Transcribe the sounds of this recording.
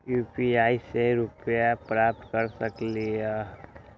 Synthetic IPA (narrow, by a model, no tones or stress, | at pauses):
juːpiaːiseɾʊpjapɾaːp̚t̪kəɾsɐklia